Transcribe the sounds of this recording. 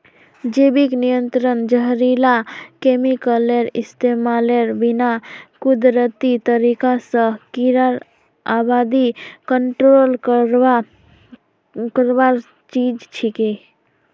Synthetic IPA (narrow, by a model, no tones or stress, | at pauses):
d͡ʒebiknijənt̪ɾənd͡ʒəɦɾilakemikəleɾḭst̪emaleɾbinakud̪ɾət̪it̪əɾikasə̃kiɾaɾ | abad̪ikəɳʈɾol | kəɾbaɾ | t͡ʃid͡ʒt͡ʃʰike